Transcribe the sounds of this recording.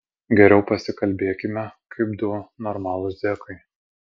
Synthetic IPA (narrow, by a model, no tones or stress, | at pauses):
ɡʲɛɾʲɛʊpɐsʲɪkɐlʲbʲeːkʲɪmʲɛkʰɐɪbd̪ʊʋonɔɾmɑːlˠʊsd̪ʲeːkɐɪ